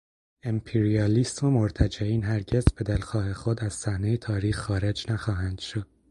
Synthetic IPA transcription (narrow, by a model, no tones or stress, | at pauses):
empʰeɾiɒːliːsmomoɾt̪ʰæd͡ʒæiːnɦæɾɟe̞zbe̞d̪elxɒːhe̞xod̪æz̥sæhnejet̪ʰɒːɾiːxːɒːɾe̞d͡ʒnæxɒːɦænd̪̥ʃod̪̥̚